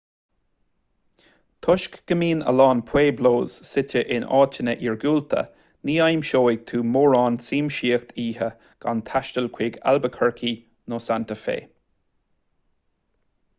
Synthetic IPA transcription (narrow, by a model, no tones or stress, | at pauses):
t̪ʰʊʃkɡ̥əmiːnə̰lɑːnpʰweːbloːz̥sɪtʰəʔɪnɑ̰ːtʰənəʔiːɹɡuːlt̪ʰə̰ | niːajmʃoːɪɡ̚t̪ʰuːmoːɹɑːnsiːmʃiːəxt̪ʰiːɦə | ɡ̥ant̪ʰaʃtəlkʰwɪɡa̰lbəkʰəɹkʰi | noːsant̪əfḛː